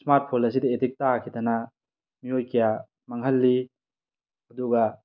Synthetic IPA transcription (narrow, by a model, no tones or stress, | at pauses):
smaɾt̚pʰolɐs̬id̪aetik̚takʰit̪ana | miojkija | maŋɦɐlːi | ɐd̪uɡa